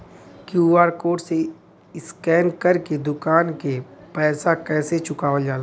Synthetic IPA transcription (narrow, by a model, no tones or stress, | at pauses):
kjuːaːɾkoːʈse | ɪskɛːnkɐɾked̪ʊkaːnkepɛːsakɛːset͡ʃʊkaːʋəld͡ʒaːla